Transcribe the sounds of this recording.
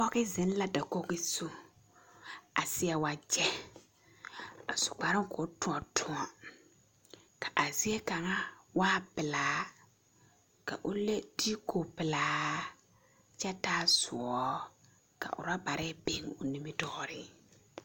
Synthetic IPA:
pɔ˦ɣɪ˦zɪ˨˦n˦la˦da˨ko˦kɪ˦su˦ | a˨sɪ˦ɛ˨wa˨d͡ʒɛ˦ | a̰˨sʊ̥˨k͡pa˨ɾɪ˦ŋ˦kɔ˨˦tʊ˨ɔ˨tʰʊ˨ŋɔ˨ | ka˨ʔa˨zi˦e˦ka˨ŋa˦waː˦bɪ˨laː˨˦ | ka̰˨ʔʊ˦le˦d̥i˦ko˨bɪ˨laː˨˦ | t͡ʃɛ˦taː˦zʊ˨ɔ˨˦ | ka̰˨ʔʊ̰˨ɾa˦ba˨ɾʔɛ˦be˨˦ŋʊ˨ni˦mɪ˦dɔː˦ɾɪ˦

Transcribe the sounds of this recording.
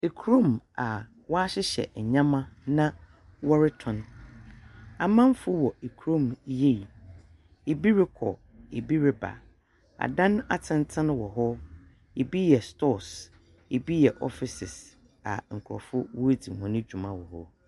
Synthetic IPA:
e˨kʰu˨ɾõ˦˨ma˨ | wɔ˦a˦ɕɪ˦ɕɛ̰˨ɲã˦mã˦nã˦ | wɔ˦ɾɪ˦tʰɔ̃˨n | a˨mã˦m˦fʊ˦wɔ˨e˨kʰu˨ɾõ˦˨mje˦˨i˨ | e˨bi˦ɾɪ˦kʰɔ̰˨ | e˨bi˦ɾɪ˦ba̰˨ | a̰˨dã˦n˦a˨tʰɪ̃˦n˦tʰɪ̃˦ñ˦wɔ˨ɦɔ˦ | e˨bi˦jɛ˨stɔ˦˨s | e˨bi˦jɛ˨ʔɔ˦fɪ˨sɪ˨s | a̰˨ŋ̩˨kʰu˨ɾɔ̰˨fʊ˦wʊ˦e˦di˨hɔ̃˨nɪ̃˦d͡ʑᶣu˨mã˦wɔ˨hɔ̰˦

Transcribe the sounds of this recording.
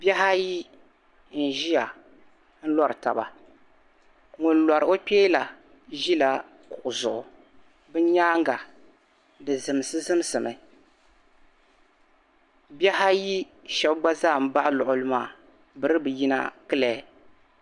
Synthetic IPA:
bɛ˦ɦa˦ji˦ | n̩˨ʒi˦a˨ | n̩˦lɔ˦ɾɨ˨ta̰˨ba̰˨ | ŋʊ˨n˦lɔ˨ɾɨ˨o˦k͡pʲeː˦la˨ | ʒi˦la˦ | kʊ˨ʔʊ˨zʊ˨ʔʊ˨ | bɨ˦ɲaː˦ŋɡa˨ | dɨ˨zɨ˨m˨sɨ˦zɨ˦m˦sɨ˨mɨ˨ | bɛ˦ha˦ji˦ | ʃɛ˦bɡ͡ba˦zaː˦˨m̩˦ba˦ʔlʊ˨ʔʊ˨lɨ˦maː˦˨ | bɨ˨ɾɨ˦bɨ˨ji˦na̰˦kɨ˦lɛ˨

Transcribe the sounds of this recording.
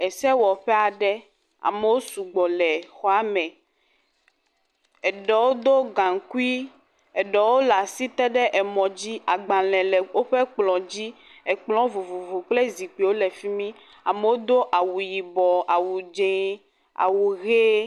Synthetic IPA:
ɛ˨sɛ˦wɔ˨ɸɛ˦a˨ɖɛ˦ | a̰˨me˨˦wo˦su˨ɡ͡bɔ˨lɛ˨xɔ˦a˦mɛ̃˨ | ɛ˨ɖɛ˨wo˦d̪o˦ɡã˨ŋ˨ku˦i˦ | ɛ˨ɖɛ˨wo˦la˨si˦t̪ɛ˦ɖɛ˦ʔɛ˨mɔ̃˨d͡ʑi˦a˨ɡ͡bã˨lɛ̃˨lɛ˨wo˦ɸe˦k͡plɔ̃˨d͡ʑi˦ | ɛ˨k͡plɔ̃˦vo˨vo˨vo˨k͡ple˦zi˨k͡pe˨wo˦lɛ˨fi˦mĩ˦ | a˨me˨wo˦d̪o˦ʔa˨wu˨ji˨bɔ˨a˨wu˨d͡ʒẽ˨ | a̰˨wu˨ɣe˦

